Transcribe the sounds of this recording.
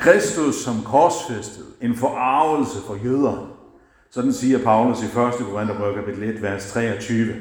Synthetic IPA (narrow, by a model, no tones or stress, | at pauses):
kʰʁɛsd̥usːɒ̽mkʰɒsfesd̥ð̩ˠe̝nfɒʔɑ̈ʊl̩səfɒ̽jøːð̞ˠɐn | sɒ̽d̥n̩siːɐpʰɑ̈ʊlusifɶɐsd̥əkʰoʁend̥ɐʁœkʰæpʰid̥ʰl̩e̝d̥ʋæɐst͡sʰʁɛ̰ːɒt͡sʰyːʋə